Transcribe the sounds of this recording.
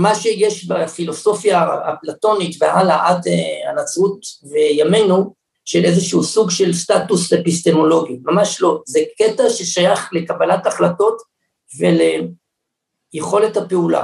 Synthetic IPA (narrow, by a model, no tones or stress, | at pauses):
maʃejeʃbafilo̞so̞fja̰ːplato̞nitvḛʔalaʔateanat͡sutvejame̞nu | ʃelʔezeʃuusuɡʃe̞lstatusepist̪e̞mo̞lo̞ɡimamaʃlo̞zeketaʃeʃajaχle̞kabalataχlato̞t | vele | jeχo̞lethapeula̰